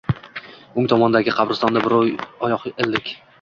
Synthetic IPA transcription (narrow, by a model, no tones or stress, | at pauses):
ʊŋt̪ʰɒmɒnd̪aɡʲɪqʰɑbɾɪst̪ɒnd̪abɪɾjɒjɒχʔeld̪ɪkʲ